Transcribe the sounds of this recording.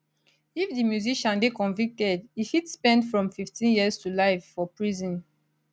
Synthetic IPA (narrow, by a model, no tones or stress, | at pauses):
ifdimjuziʃãnbikɔ̃nvik̚tɛdihitspɛ̃ntfɹɔ̃mfiftʰĩnjiəstulaɪvːɔpɹizɔ̃n